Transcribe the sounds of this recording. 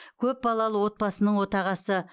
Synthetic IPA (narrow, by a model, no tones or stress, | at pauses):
kʲʰɵp̚bɑlˠɑlˠəwo̞t̪̚bɑsənəɴwo̞t̪ɑʁɑsə